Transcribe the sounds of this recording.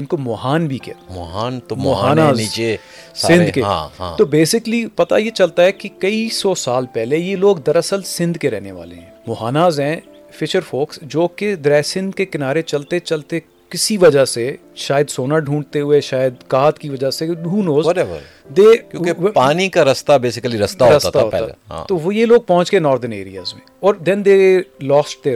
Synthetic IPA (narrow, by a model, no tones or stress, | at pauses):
ɪnkomɔːɦaːnbʱikea̰mɔɦaːnt̪omɔːɦaːnaːziːt͡ʃe | sɪ̃nd̪keã̰ːã̰t̪oːbeːsɪklipɐt̪a̰jet͡ʃɐlt̪aɦɛkikɐisɔːsaːlpɛːlejeloːɡd̪ɐɾɐsəlsɪ̃nd̪keɾɛ̰ɦneʋa̰ːlḛɦɛ̃mɔːɦaːnaːzɦɛ̃ː | fɪʃəɾfoːksd͡ʒoːked̪ɾɛːsɪ̃nd̪kekɪnaːɾet͡ʃɐlt̪et͡ʃɐlt̪e | kɪsiʋɐd͡ʒase | ʃaːjəd̪soːnaɖʱũːɳɖt̪eɦʊeʃaːjəd̪̚kaːt̪kiʋɐd͡ʒaseɖʱũːnoːzɾɛbə̰ɾ | d̪eːjõːkepaːnikaɾɐst̪abeːsɪkəliɾɐst̪aɦoɾɐst̪at̪aɦoːɛ̰ã̰t̪oʋjeloːɡ̚pɔɦʊ̃nt͡ʃkenɔːɾd̪ənḛːɾija̰ːzmḛ̃ɔːɾd̪ɛ̃nd̪elɔːsʈ̚t̪e